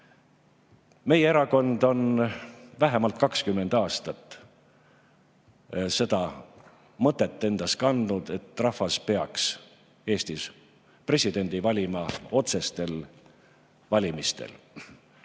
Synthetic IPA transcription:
me̞jeeɾɑko̞nd̪o̞n | væɦemɑlt̪̚kɑkskymːe̞nd̪̥ɑːst̪ɑt̪ːˑ | se̞d̪ɑ | mɤt̪ːˑe̞t̪ːe̞nd̪̥ɑskɑnd̪nud̪̥e̞t̪ːrɑfɑspe̞ɑks | e̞ːst̪is | pre̞sʲid̪̥e̞nʲd̪̥ivɑlʲimɑo̞t̪se̞st̪e̞l | vɑlʲimist̪ḛl

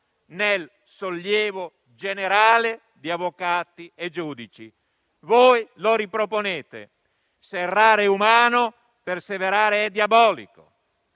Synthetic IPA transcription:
nel | soljɛːvo | d͡ʒeneɾaːle | d̪iavːokaːt̪ied͡ʒuːd̪it͡ʃḭ | vojloɾipɾoponeːt̪ḛ | serːaːɾeumaːno | perseveɾaːɾeɛd̪jabɔːlḭko̰

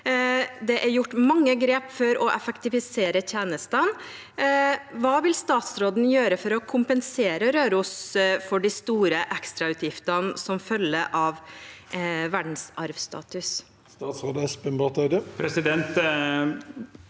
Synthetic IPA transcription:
d̪ɛʔæɾjʊʈːmɑŋːəɡɾeːpfɔɾɔʔɛfəkt̪ɪfɪseːɾəçʰeːnəst̪ən | ʋɑːʋɪlst̪ɑːt̪sɾoːd̪n̩jøːɾəfɔɾɔkʰʊmpənseːɾəɾøːɾʊsfɔɖist̪uːɾəʔɛkst̪ɾɑʉːt̪jɪft̪ənsɔmfœlːəʔɑʋ | ʋæɖɳ̩sɑɾʋst̪ʰɑ̰ːt̪ʉs | st̪ɑːt̪sɾoːd̪əɛspɛmbɑt̪ɑd̪əpʰɾɛsɪd̪ɛnt̪

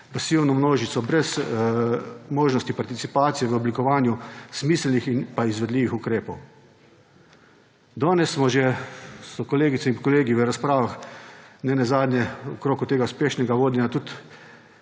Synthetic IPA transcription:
pasiwnɔmnoːʒit̪sɔbɾɛs | moːʒnɔst̪ipaɾt̪it̪sipaːt̪sijɛʋəɔblikɔʋaːnjusmiːslnixinpaizʋɛd̪liːʋixukɾeːpɔw | d̪ɔːnɛsːmɔʒesɔkɔleːɡit̪sɛinkɔleːɡiʋəɾaspɾaːʋaxnɛnɛzaːd̪nʲɛɔkɾoːkut̪eːɡauspeːʃnɛɡaʋoːd̪nʲɛnat̪ut̪

